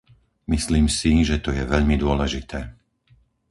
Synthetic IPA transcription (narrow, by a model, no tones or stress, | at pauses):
misliːmsiʒɛt̪ɔjɛʋɛʎmid̪ʊɔlɛʒit̪ʰɛː